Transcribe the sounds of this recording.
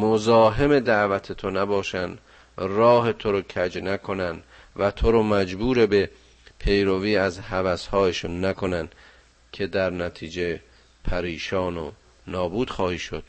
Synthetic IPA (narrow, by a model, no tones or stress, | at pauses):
mozɒːɦe̞me̞d̪æʔvæt̪ʰet̪ʰonæbɒːʃænd̪ | rɒːɦe̞t̪ʰoɾocʰæd͡ʒnækʰo̞nænd̪ | væt̪ʰoɾomæd͡ʒbuːɾebe̞ | pʰe̞jɾoviːæzhævæshɒːjeʃunːækʰo̞nænd̪ | kʲʰe̞d̪æɾnæt̪ʰiːd͡ʒe̞ | pʰæɾiːʃɒːno̰ | nɒːbuːd̪̥xɒːhiːʃo̞d̪̥